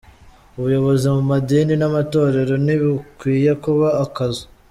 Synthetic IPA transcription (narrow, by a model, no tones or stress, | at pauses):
uβujo̞βo̞zimumadiːninamato̞ːɾe̞ɾo̞niβikwiːje̞kuβaːkazo̥